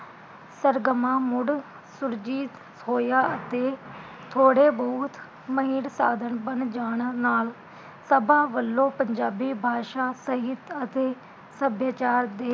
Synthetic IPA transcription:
səɾɡəmãːmʊɽ | sʊɾd͡ʒiːt̪ | ɦoːjaːət̪eː | t̪ʰoːɽeːbɔːt̪ | məɦiːnsaːd̪ʱənbənd͡ʒaːɳnaːl | səbaːʋəlːõːpəɲd͡ʒaːbiːbʱaːʃaːsəɦɪt̪ət̪eː | səbjaːt͡ʃaːɾd̪eː

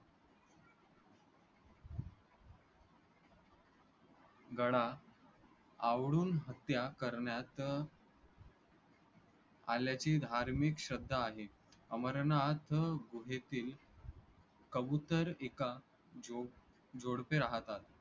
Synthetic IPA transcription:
ɡəɽa | aʋɽuːnɦət̪jakəɾɳjat̪ | aljat͡ɕiːd̪ʱaɾmikɕəd̪ʱːaːɦe | əməɾnat̪ɡuɦet̪iːl | kəbut̪əɾeka | o | d͡zoɽpeɾaɦt̪at̪

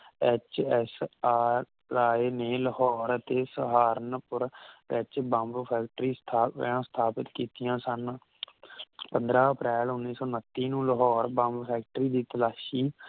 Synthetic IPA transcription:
ɛt͡ʃɛsaːɾ | aːeːneːləhɔːɾət̪eːsəɦaːɾənpʊɾɛt͡ʃbə̃mbpʰɛːkʈɾiːst̪ʰːãːst̪ʰaːpɪt̪kiːt̪ijãːsən | pənd̪ɾãːəpɾɛːlʊnːiːsɔːnət̪ːiːnũːləɦɔːɾbəmbpʰɛːk̚ʈɾiːd̪iːt̪əlaːʃiː

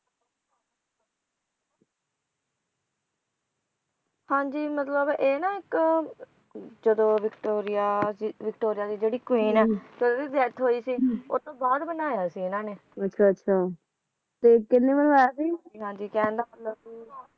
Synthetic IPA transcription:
hãːɲd͡ʒiːmət̪ləbeːnãːɪk | d͡ʒəd̪õːʋɪkʈoːɾɪjaːsiːʋɪkʈoːɾɪjaːd̪iːd͡ʒeːɽiːkwiːnɛːd͡ʒəd̪õːiːzɛːt̪ʰɦoːiːsiːo̰ːt̪õːbɔːt̪bənaːjaːsiːɪnãːneːətːʃʰaːətːʃʰaː | t̪eːkɪnːẽːʋəl̃ːɛːd̪iːɦõnd̪iːɦãːɲd͡ʒiːkɛ̃ːnd̪aːmət̪ləb

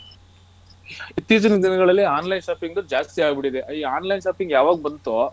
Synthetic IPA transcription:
it̪ːit͡ʃɐnɐd̪ʱinɐɡɐɭɐlːiaːnlɐjnʃaːpiŋɡd̪ud͡ʒaːst̪iaːɡbiɽid̪eʔiːaːnlɐjnʃaːpiŋɡjaːʋaːɡubɐnt̪o

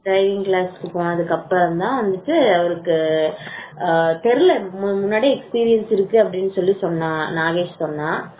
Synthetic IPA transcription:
ɖɾɐɪʋɪŋklaːsɪʈɯkːʊ̃ɐðɯkːɐpːɐɾɐmd̪ãːʋɐnd̪ɯʈːɯɐʋɐɾɯkːɯ | t̪ɛɾɯlɛmmʊnːaːɽiɛkspiːɾɪjɐnsɪɾɯkːɯɐpːɐɽɪnːɯsɔlːisɔnːãːnaːɣeːt͡ʃsɔnːãː

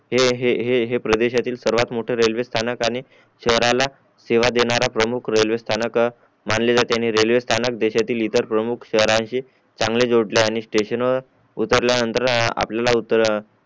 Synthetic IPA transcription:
ɦeɦeɦeɦepɾəd̪eɕat̪iːlsəɾʋat̪moʈʰeɾelʋest̪ʰanəkañi | ɕəɦɾala | seʋad̪eɽ̃aɾapɾəmukʰɾelʋest̪ʰanək | maɳled͡zat̪eaniːɾelʋest̪ʰanək̚d̪eɕat̪iːlit̪əɾpɾəmukʰɕəɦɾãɕiː | t͡saŋɡled͡zoɽleañisʈeɕənʋə | ut̪əɾljanənt̪əɾa̰pljalaut̪əɾ

